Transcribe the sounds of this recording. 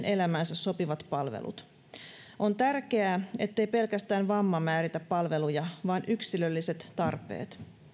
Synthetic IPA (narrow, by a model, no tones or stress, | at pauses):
nʔelæmænsæsso̞piʋɑt̪pɑlʋḛlʔṵt̪ | ʔont̪ærke̞æːe̞t̪ːejpe̞lkæst̪æːnʋɑmːɑmæːɾit̪æppɑlʋe̞lujɑʋɑːnʔyksilølːiset̪ːɑrpe̞̰ːt̪